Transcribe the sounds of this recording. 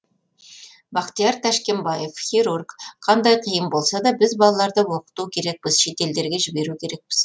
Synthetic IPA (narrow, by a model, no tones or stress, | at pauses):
bɑqt̪ijɑɾt̪ʰæʃkʲe̞mbɑje̞fxʲiɾurkqʰɑnd̪ɑjqʰəjəmbo̞lˠsɑd̪ɑbɪzbɑlˠɑlˠɑɾd̪əwo̞qə̥t̪ukʲʰe̞ɾe̞k̚pɪz̥ʃe̞t̪e̞ld̪e̞ɾɡʲe̞ʒɪbe̞ɾukʲʰe̞ɾe̞k̚pɪz̥